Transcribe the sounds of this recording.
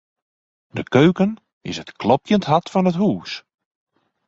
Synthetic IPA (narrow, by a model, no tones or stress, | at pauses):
dəkøːkən | ɪ̰sətklɔpjəntɦɑtfɔnətɦuːs